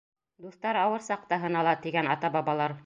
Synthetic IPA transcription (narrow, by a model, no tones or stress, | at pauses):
d̪uθt̪ɑɾɑwɤɾsɑq̚t̪ɑɦɤ̆nɑlˠɑt̪iɡænɑt̪ɑbɑβɑlˠɑɾ